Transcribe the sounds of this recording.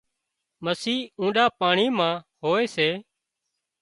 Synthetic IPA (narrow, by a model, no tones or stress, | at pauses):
məsiːũːɗaːpaːɳiːmãːɦoːeːseː